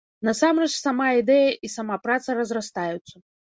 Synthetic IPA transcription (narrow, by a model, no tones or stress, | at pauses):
nasamrɛt͡ʂsamaid̪ɛjɐʔisamapɾat̪sɐrɐzrast̪ajut̪sːɐ